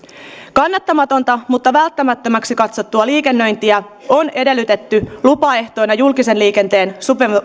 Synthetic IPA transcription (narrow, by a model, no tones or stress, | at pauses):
kɑnːɑt̪ːɑmɑt̪o̞nt̪ɑmut̪ːɑʋælt̪ːæmæt̪ːømæksikɑt̪so̞t̪ːuɑliːke̞nːø̞jnt̪iæ | o̞ne̞de̞lːyt̪e̞t̪ːylupɑe̞ht̪o̞jnɑjulkise̞nliːke̞nt̪e̞ːnsupem